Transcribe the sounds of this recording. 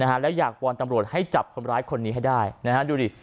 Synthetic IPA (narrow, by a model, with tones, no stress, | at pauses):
na˦˥kʰa˦˥lɛ˦˥wjaː˨˩k̚wɔː˧nt̪a˧mɾu˨˩ət̪̚ha˥˩jt͡ɕa˨˩p̚kʰo˧nɾaː˦˥jkʰo˧nːiː˦ɦa˥˩jdaː˥˩jna˦˥kʰa˦˥duː˧ɾi˨˩